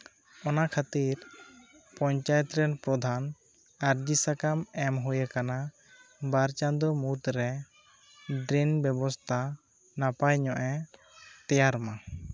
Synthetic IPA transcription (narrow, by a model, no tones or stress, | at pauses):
ɔnakʰat̪iɾ | pɔɲt͡ʃajɛt̪ɾɛnpɾɔd̪ʱan | aɾd͡ʒisakamɛmɦujakana | baɾt͡ʃand̪ɔmut̪ɾɛ | ɖɾinbɛbɔst̪ʰa | napajɲɔʔɛ | t̪ɛjaɾma